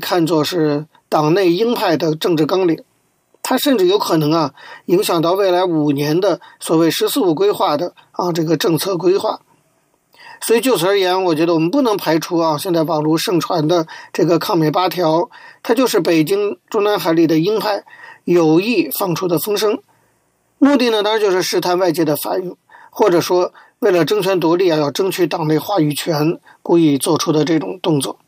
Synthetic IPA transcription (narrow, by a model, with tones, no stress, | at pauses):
kʰa˥˧nt͡swɔ˥˧ʂɻ̩˥˩ | t̪ɑ˨˩ŋne˥˩ɪi˥ŋpʰa˥˩ɪd̪ə˩ʈ͡ʂɤ˥˧ŋʈ͡ʂɻ̩˥˩kɑ˥ŋli˨˩˦ŋ | t̪ʰa˥ʂə˥˧nʈ͡ʂɻ̩˥˩jo˧˥ʊkʰɤ˨˩nɤ˧˥ŋɐ˧i˧˥ŋɕjɑ˨˩ŋt̪ɑ˥˧ʊwe˥˩ɪla˧˥ɪu˨˩njɛ˧˥nd̪ə˧swɔ˨˩we˥˩ɪʂɻ̩˧˥sɹ̩˥˧u˥˩k̬we˥ɪxwa˥˩d̪ə˩ɐ˧ʈ͡ʂɤ˥˩ɡə˩ʈ͡ʂɤ˥˧ŋt͡sʰɤ˥˩k̬we˥ɪxwa̰˥˩ | swɔ˧˥i˨˩t͡ɕjo˥˩ʊt͡sʰjɛ˧˥nwɔ˨˩t͡ɕɥɛ˧˥d̪ə˧wɔ˨˩mə˧˦npu˥˩nɤ˧˥ŋpʰa˧˥ɪʈ͡ʂʰu˥ɐ˧ɕjɛ˥˧nt͡sa˥˩ɪpɑ˨˩ʊlu˧˥ʂɤ˥˩ŋʈ͡ʂʰwa˧˥nd̪ə˧ʈ͡ʂɤ˥˩ɡə˩kʰɑ˥˩ŋmjɛ˨˩ɪpa˥t̪ʰjɑ˧˥ʊt̪ʰa˥t͡ɕjo˥˧ʊʂ̬ɻ̩˥˩pe˨˩ɪt͡ɕi˥ŋʈ͡ʂʊ˥ŋna˧˥nxa˧˥ɪli˥˩d̪ə˩i˥ŋpʰa˥˩ɪjo˨˩ʊi˥˧fɑ˥˩ŋʈ͡ʂʰu˥d̪ə˨fɤ˥ŋʂɤ˥ŋ | mu˥˧t̪i˥˩nə˩t̪ɑ˥ŋɻt͡ɕjo˥˧ʊʂɻ̩˥˩ʂɻ̩˥t̪ʰa˥˧nwa˥˧ɪt͡ɕjɛ˥˩d̪ə˩fa̰˨˩ny˥˩ŋxwɔ˥˩ʈ͡ʂɤ˨˩ʂwɔ˥we˥˩ɪlə˩ʈ͡ʂɤ˥ŋt͡ɕʰɥɛ˧˥nt̪wɔ˧˥li˥˩a˥˧˩jɑ˥˩ʈ͡ʂɤ˥ŋt͡ɕʰy˥t̪ɑ˨˩ŋne˥˧ɪxwa˥˩y˨˩t͡ɕʰɥɛ˧˥nku˧˥i˥˧˩t͡swɔ˥˩ʈ͡ʂʰu˥d̪ə˧ʈ͡ʂɤ˥˩ʈ͡ʂʊ˨˩ŋt̪ʊ˥˧ŋt͡swɔ̰˥˩